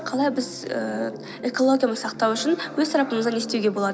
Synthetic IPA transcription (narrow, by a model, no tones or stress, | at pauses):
qʰɑlˠɑjbɪzə | ekolˠo̞d̪ʲijoməsɑqt̪ɑwʏʃɪnwɵzt̪ɑɾɑpəməzd̪ɑne̞st̪ewɡʲe̞boɑd̪